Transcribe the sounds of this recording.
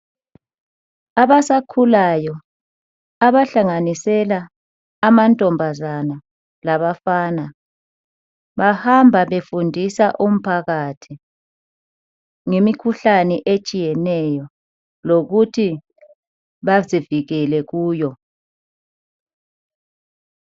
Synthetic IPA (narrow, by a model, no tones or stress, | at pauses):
aβasakʰulajɔː | βaɬaŋanisɛlaː | mantʼɔmbʱazana | laβafaːna | βahambʱaβefundʱisaʔum̩pʰaɣatʰi | ŋemikʰuɬanɛʔet͡ʃʼijɛnɛjɔ | loɣutʰi | βaziviɣɛlɛɣuːjɔ